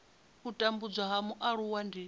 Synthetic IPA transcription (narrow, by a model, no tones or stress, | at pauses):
ɦutʼambud͡zʷaɦamuʔaɺuwandi